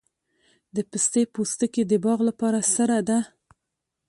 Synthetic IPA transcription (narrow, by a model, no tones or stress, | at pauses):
d̪əpəst̪epost̪əked̪əbɑɣlapɑɾasəɾad̪a